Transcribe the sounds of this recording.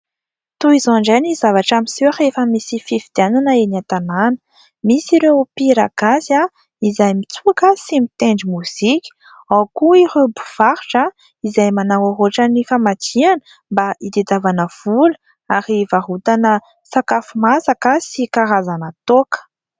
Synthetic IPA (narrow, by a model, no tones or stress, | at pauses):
t̪uizoaɳɖ͡ʐanizavaʈ͡ʂamiseɾefəmisifivid̪̥iananəenat̪ananə̥ | misiɾepiɾa̰ɡ̥asa | izajmit͡suakəsimit̪eɳɖ͡ʐimuz̥ikʲi̥ | awkuiɾebuv̥aɾʈ͡ʂa | izajmanawoɦoʈ͡ʂanifamad͡ʒianə̥ | mbaid̪ed̪avanəv̥ulə | aɾivaɦut̪anə | sakafumasakəsikaɾazanət̪okə̥